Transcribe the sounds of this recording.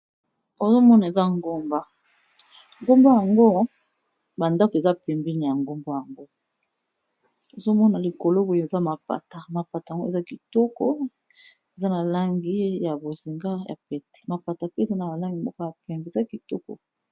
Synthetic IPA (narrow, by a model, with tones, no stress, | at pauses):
o˨zo˦mɔ˦na˨e˨za˦ŋɡo˦mba˦ | ŋɡo˦mbo˦ja˨ŋɡo˦ | ba˨nda˦ko˨e˨za˦pɛ˨mbi˦ni˨ja˨ŋɡo˦mbo˦ja˨ŋɡo˦ | o˨zo˦mɔ˦na˨li˨ko˨lo˦bo˨o˨e˨za˦ma˨pa̰˨ta˨ma˨pa˨ta˨ŋ˦ɡo˦e˨za˦ki˨tɔ˦kɔ̰˦ | e˨za˦na˨la˦ŋɡi˦ja˨bo˨zi˨ŋɡa˦ja̰˨pɛ˨tɛ̥˨ma˨pa˨ta˨pe˦˨za˦na˨ba˨la˦ŋɡi˨mɔ˦ko˦ja˨pɛ˨mbe˨za˦ki˨tɔ˦kɔ̰˨